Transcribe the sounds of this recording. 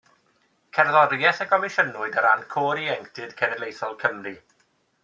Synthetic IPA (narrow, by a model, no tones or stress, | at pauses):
kʰɛrðɔɾjɛθəɡɔmɪʃənʊɨdəɾankʰoːɾiɛŋktʰɨd̥kʰɛnɛlejθɔlˠkʰəmri